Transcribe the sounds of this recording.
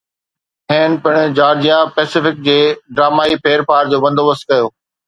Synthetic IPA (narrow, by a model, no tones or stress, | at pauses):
ɦẽːnpɪɽ̃ʊd͡ʑaːɾd͡ʑijãpɛːsɪfɪk̚d͡ʑeːɖɾaːmaːipʰeːɾpʰaːɾd͡ʑoːbɐ̃nd̪oːʋɐst̪̚kɐjoː